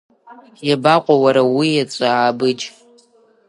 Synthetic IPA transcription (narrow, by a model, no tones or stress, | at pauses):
jabaqʷʼawaɾawijat͡sʷʼaʕːbɨd͡ʒ